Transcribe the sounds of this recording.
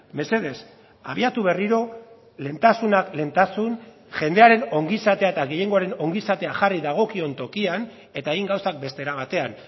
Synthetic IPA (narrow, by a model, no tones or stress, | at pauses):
me̞se̞ð̞e̞s | a̰βiat̪uβe̞riɾo̞ | le̞nt̪asunakle̞nt̪asun | ʝe̞nd̪e̞aɾe̞no̞ŋɡisat̪e̞aet̪aɣe̞je̞ŋɡo̞aɾe̞no̞ŋɡisat̪e̞axariðaɣ̞o̞kio̞nt̪o̞kian | e̞t̪aeɣiŋɡawsak̚be̞st̪e̞ɾaβ̞at̪e̞an